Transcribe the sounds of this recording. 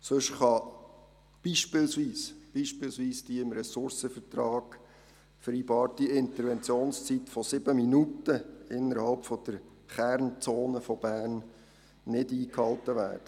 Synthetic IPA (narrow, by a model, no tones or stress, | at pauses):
sɵʃχɑ | b̥iːʃpɪlsʋiːsb̥iːʃpɪlsʋiːsd̥iːɪmɾɛsʊɾsəfəɾtɾɑːɡ̥ | fəɾiːbɑːɾtiɪnt̪əɾʋɛnt͡sjoːnst͡sit̪fɔsɪb̥əminutəɪnːəɾhɑlpfɔd̪̥əɾ | χæɾnt͡soːnəfɔb̥æːɾnː | ɪdiːkhɑltəʋæ̰ːrd̥ə